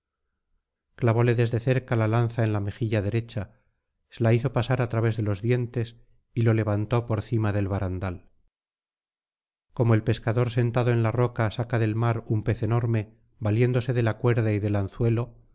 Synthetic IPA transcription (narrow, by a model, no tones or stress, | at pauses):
klaβo̞le̞ðe̞zðe̞θe̞ɾkalalanθaenlame̞xiʎaðe̞ɾe̞t͡ʃa | selaiθo̞pasaɾat̪ɾaβe̞zðe̞lo̞zðje̞nt̪e̞s | ilo̞le̞βant̪o̞po̞ɾθimaðe̞lβaɾand̪al | ko̞mo̞e̞lpe̞skaðo̞ɾs̬e̞nt̪aðoe̞nlarokasakaðe̞lmaɾumpe̞θe̞no̞ɾme̞ | balje̞nd̪o̞se̞ðe̞lakwe̞ɾðaiðe̞lanθwe̞lo̞